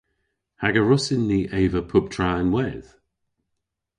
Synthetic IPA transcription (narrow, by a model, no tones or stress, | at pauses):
haɡəɹʊsɪnðiʔeɪvəpʰʊp̚tʰɹ̥aɪ̃nwɛð̥